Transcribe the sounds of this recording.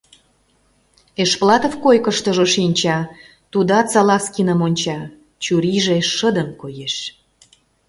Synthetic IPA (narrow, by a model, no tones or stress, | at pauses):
eʃplɑt̪ofkojkəʃt̪ə̆ʒoʃinʲt͡ɕɑ | t̪ud̪ɑt͡sɑlɑskinəmonʲt͡ɕɑ | t͡ɕuɾiʒeʃəd̪əmkojeʃ